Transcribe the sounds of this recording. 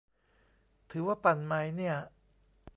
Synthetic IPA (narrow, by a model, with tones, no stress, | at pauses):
t̪ʰɯː˩˦waː˥˩pa˨˩nma˦˥jni˥˩ɐ